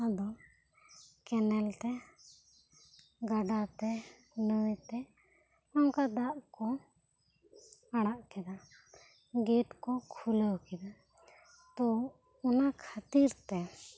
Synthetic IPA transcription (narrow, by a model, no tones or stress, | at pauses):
ad̪ɔ | kɛnɛlt̪ɛ | ɡaɖat̪ɛ | nət̪ɛ | ɔŋkad̪aʔkɔ | aɽ̃aʔkɛd̪a | ɡɛʈkɔkʰuləwkɛd̪a | t̪ɔ | ɔnakʰat̪iɾt̪ɛ